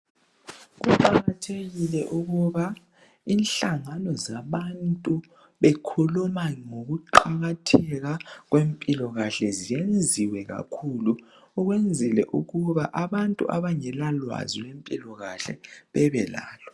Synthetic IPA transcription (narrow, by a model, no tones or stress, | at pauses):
ɣuǃaɣatʰeɣilɛʔuɣuβa | inɬaŋanɔzaβantʼu | βekʰulumaŋoɣuǃaɣatʰɛɣaɣwempʼilɔɣaɬɛzijend͡zʱiwɛɣa̰kʰuluː | ɣwend͡zʱilɛ̰ʔuɣuβaʔaβantʼṵʔa̰βaŋɛlalwa̰zilempʼilɔɣa̰ɬɛ̰βɛβɛla̰ːlɔ̥